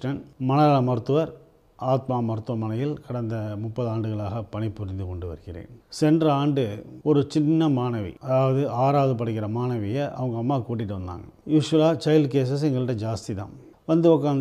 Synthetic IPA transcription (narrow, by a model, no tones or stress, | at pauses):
ʈɐnmɐnɐɐɭɐmɐɾɯt̪ːɯʋɐɾ | ʔaːt̪maːmɐɾɯt̪ːɯʋɐmɐnɐjɪlkɐɽɐnd̪ɐmʊpːɐðɯaːɳɖɯɣɐɭaːɣɐpɐɳɪpːʊɾɪnd̪ɯkɔɳɖɯʋɐ̰ɾɯɣɪrḛːnsɛndrɐaːɳɖɯɔɾɯt͡ʃɪnːɐmaːnɐʋḭɐðaːʋɐðɯaːɾaːʋɐðɯpɐɽɐkːɪɾɐmaːnɐʋɪjɐʔɐ̰ʋɐŋɡɐɐmːaːkuːʈ̬ːɪʈːɯʋɐnd̪a̰ːŋɡɐjuːʂʋɐlaːt͡ʃɐjɪlkeːs̬ɐs̬ɛŋɡɐɭɪʈːɐd͡ʒaːst̪it̪ã̰ː | ʋɐnd̪ɯʋɔk̬ːaːn